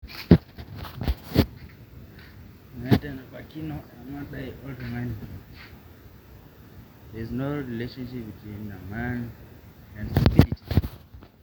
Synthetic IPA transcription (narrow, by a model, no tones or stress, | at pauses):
mɛ̃ntɛnapakinoamãɗajʔɔltɔmani | ðɛznoɹileʃɔ̃nʃip̚bitʰwĩndəmãn | ɛ̃nsupiliti̥